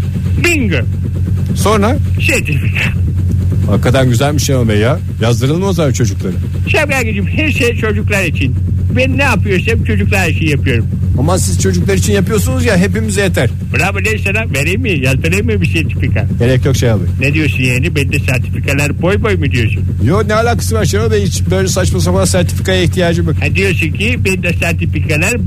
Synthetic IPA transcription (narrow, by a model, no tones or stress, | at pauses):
biŋɡø | so̞nɾaʃet̪ʰifikʰa | hakʰːat̪anɟyzælʲmiʃemabeja | jazd̪ɯɾɯlˠmɯozat͡ʃʰo̞d͡ʒuklˠaɾɯ | ʃemɡaɾʲɡed͡ʒimhæɾʃejt͡ʃʰo̞d͡ʒuklˠaɾit͡ʃʰin | benːɛapɯjo̞ɾsamt͡ʃʰo̞d͡ʒuklˠaʃejijapɯjo̞ɾum | amasiz̥t͡ʃʰo̞d͡ʒuklˠaɾit͡ʃʰinjapɯjo̞ɾsunuzjaɦe̞pimizɛjet̪ʰæɾ̥buɾabalesanaveɾijmːijazt̪ʰɯɾɯjmibisɛɾt̪ʰi̥fikʰa̰elʲɛc̪̚ʰokʃejalˠɯ̰joned̪ijo̞ɾsunjaːnibeid̪ɛsæɾt̪ʰi̥fikʰalʲˠaɾbo̞jbojmɯd̪ijo̞sunjonɛhalʲaːkʰḁsɯvaɾʃaɾabɛit͡ʃbøjlʲɛsat͡ʃmas̬abanasæɾt̪ʰi̥fi̥kajaiçt̪ʰijaːd͡ʒɯbɛd̪ijosuncʰibend̪ɛsæɾt̪ʰifikʰalʲæɾ